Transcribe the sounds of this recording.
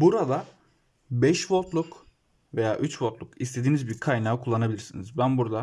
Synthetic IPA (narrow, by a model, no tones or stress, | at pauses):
buɾad̪a | bɛʃvoɾt̪lˠuk | ve̞jaːʔyt͡ʃvoɾt̪lˠukist̪ʰe̞d̪iːnizbiɾkʰajnaːɯkʰulˠːanabilʲiɾsinizbænbuɾd̪a